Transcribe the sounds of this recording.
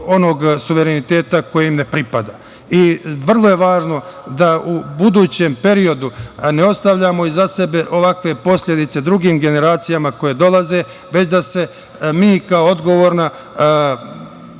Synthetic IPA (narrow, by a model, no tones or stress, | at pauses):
o̞no̞ːɡsuʋe̞ɾenit̪e̞ːt̪ako̞jeimne̞pɾipad̪aː | iʋr̩lˠo̞je̞ʋaːʒno̞d̪aubud̪uːt͡ɕe̞mpe̞ɾio̞d̪uneo̞st̪aʋʎaːmo̞izase̞be̞ʔo̞ʋakʋe̞po̞sʎʲe̞d̪it̪se̞d̪ɾuɡiːmɡe̞ne̞ɾaːt̪sijamako̞jed̪o̞lˠaze̞ | ʋet͡ɕd̪ase̞ | miːkaoo̞d̪ɡo̞ʋo̞ːɾna